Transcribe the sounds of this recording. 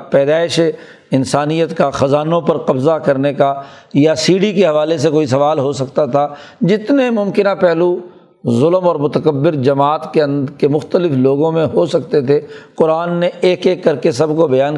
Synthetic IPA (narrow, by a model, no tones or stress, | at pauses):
pɛːd̪aːɪʃe | ɪnsaːnijət̪kaxɐzaːnõpɐɾqɐbzakɐɾnekajasiːɽikeɦɐʋaːles̬ekoːisɐʋaːlɦosɐkt̪at̪ʰad͡ʒɪt̪nemʊ̃mkɪnapɛɦlu | zʊləmɔːɾmʊt̪əkəbːɪɾd͡ʒɐmaːt̪keɐ̃nd̪kemʊxt̪əlɪfloːɡõmẽɦosɐkt̪et̪ʰeqʊɾaːnːeʔeːkeːkːɐɾkesɐbkobɐjaːn